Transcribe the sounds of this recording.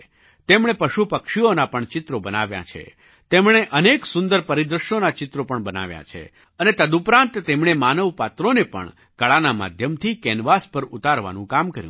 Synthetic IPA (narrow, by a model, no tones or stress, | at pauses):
t̪emɳ̃epəʃupəkʃionapəɳt͡ʃɪt̪ɾobəna̰ʋja̰t͡ʃʰḛ | t̪emɳ̃eʔəneksʊ̃nd̪əɾpəɾid̪ɾəʃjonat͡ʃɪt̪ɾopəɳbəna̰ʋja̰t͡ʃʰḛ | ənet̪əd̪upɾãnt̪t̪emɳ̃emanəʋpat̪ɾonepə̰ɳ | kəɭanama̰d̪ʱjəmt̪ʰikɛnʋaspəɾut̪aɾʋa̰nũkamkəɾjũ